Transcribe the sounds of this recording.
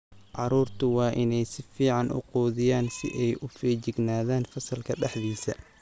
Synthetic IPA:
ʕɑɾuːrt̪ʰʊwɑːʔɪnɛjsɪfiːʕɑnʔʊ̰quːðɪjaːnsɪ̰ʔɛjʔʊfɛːt͡ʃɪɡnaːðaːnfɐsɐlkʰɐɖɛħðiːsɐ̰

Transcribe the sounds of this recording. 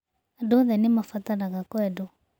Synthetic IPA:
adoðɛnemafataɾaɣakwɛdo

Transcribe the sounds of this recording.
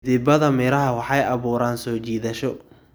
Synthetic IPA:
ðɪbɐðɐmɛːɾɐɦɐwɑħɑjɐβuːɾaːnsɔːt͡ʃiːðɐʃɔ

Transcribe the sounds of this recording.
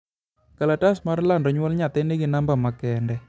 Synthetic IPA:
kalatasmaɾlandɔɲwalɲat̪ɛnekinambamakɛndɛ

